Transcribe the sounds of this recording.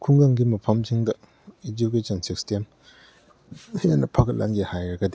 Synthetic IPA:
kʰuŋdɐŋɡimɐpʰɐmziŋdɐ | ed͡ʒuk̬esʰɐnsikstem | janːɐpʰakʰɐt̚lʔa̰nɡihajɾɐɡɐdi

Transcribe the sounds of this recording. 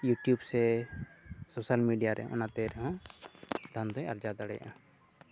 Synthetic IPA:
juʈjubsɛ | sosalmiɖijaɾʔɛ̰ɦɔ̰̃ʔɔnat̪ɛɾɛɦɔ̃ | d̪ʱand̪ɔjaɾd͡ʒad̪aɽɛja̰ʔa

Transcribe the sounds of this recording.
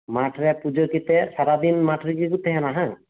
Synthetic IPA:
maʈʰɾɛpud͡ʒɔɾkit̪ɛsaɾad̪inmaʈʰɾikikut̪ɛɦɛnaɦã

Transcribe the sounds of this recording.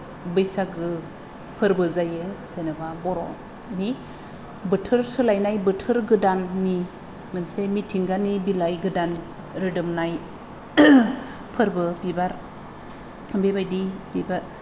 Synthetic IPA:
bɯjsaɡɯ | pʰɯɾbɯzajɯzenɯbabɔɾɔ | ni | bɯtʰɯɾsɯlajnajbɯtʰɯɾɡɯdanːi | mɯnsemitʰiŋɡanibilajɡɯdan | ɾɯdɯmnaj | pʰɯɾbɯbibaɾ | bebajdibiba

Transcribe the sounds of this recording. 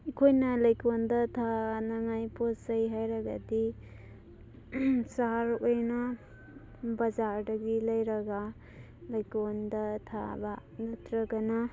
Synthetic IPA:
ikʰojnɐlɐjkondɐtʰanaŋajpʰosajɦajɾaɡa̰di | saɾojna | bazaɾdɐɡilɐjɾɐɡa | lajkondɐtʰa̰banatʰɾɐɡana

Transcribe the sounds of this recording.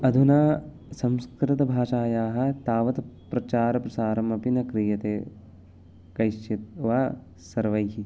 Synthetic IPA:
ɐd̪ʱunaː | sɐmskɾɪt̪ɐbʱaːʃaːjaːɦɐ̆t̪aːʋɐt̪pɾɐt͡ʃaːɾɐpɾɐsaːɾɐmɐpinɐkɾijɐt̪eː | kɐjʃjɐt̪̚ʋaː | sɐɾʋɐjɦi

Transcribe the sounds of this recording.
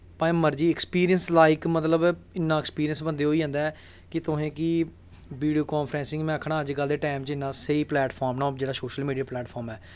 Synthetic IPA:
pãːməɾd͡ʒiːɪkspiːɾijənslaːɪkmət̪ləbɪnːãːkspiːɾijənsbənd̪eːɦoːiːɦə̃ːnd̪aː | kɪt̪ʊɦẽːkɪ | ʋiːɖioːkɔ̃ːnpʰɾɛ̃ːsɪ̃ŋɡmɛ̃ːəkʰːɽ̃ãːəd͡ʒɡəld̪eːʈaːmt͡ʃɪnːãːseiːplɛːʈpʰɔːɾmnãːd͡ʒeːɽaːsoːʃəlmiːɖijaːplɛːʈpʰɔːɾmɛː

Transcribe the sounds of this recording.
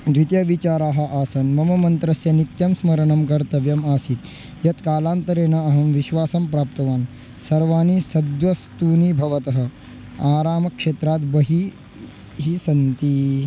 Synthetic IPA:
d̪it̪jɐʋit͡ʃaːɾaːɦɐ̆ʔaːsɐnmɐmɐmɐnt̪ɾɐsjɐnit̪jɐmsmɐɾɐɳɐmkɐɾt̪ɐʋjɐmaːsit̪ | jɐt̪kaːlaːnt̪ɐɾeːnɐɐɦɐmʋiʃʋaːsɐmpɾaːp̚t̪ɐʋaːn | sɐɾʋaːnisɐd̪ʋɐst̪uːnibʱɐʋɐt̪ɐɦɐ̆ | aːɾaːmɐkʃeːt̪ɾaːt̪bɐɦi | ɦisɐnt̪i

